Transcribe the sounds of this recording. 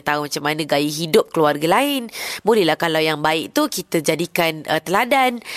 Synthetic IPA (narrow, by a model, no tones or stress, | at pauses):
t̪aumat͡ʃamanə̃ɡajiɦidʊp̚kəluarɡalaɪnbolɛhlahkalawjaŋbaɪʔ̚t̪ukit̪əd͡ʒadikanʔət̪əladan